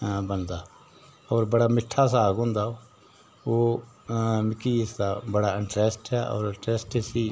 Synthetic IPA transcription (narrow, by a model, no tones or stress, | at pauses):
bənd̪aː | ɔːɾbəɽaːmɪʈʰːaːsaːɡɦʊ̃nd̪aːoː | oː | mɪkːiːɪsd̪aːbəɽaːɪɳʈɾɛːsʈɛːʔɔ̰ːɾɪʈɾɛːsʈesiː